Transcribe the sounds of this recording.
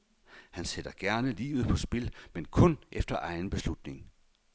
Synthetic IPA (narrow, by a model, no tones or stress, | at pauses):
hænsed̥ɐɡ̥æɐnəlḭːʊð̞̩ˠpʰɒ̽sb̥e̝lmenkʰɔ̽nʔefd̥ɐʔɑ̈ɪn̩b̥e̝slud̥ne̝ŋ